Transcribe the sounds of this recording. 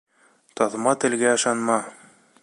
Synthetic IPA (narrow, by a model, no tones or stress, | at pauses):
t̪ɑðmɑt̪ɘ̆lɡæɤ̆ʃɑnmɑ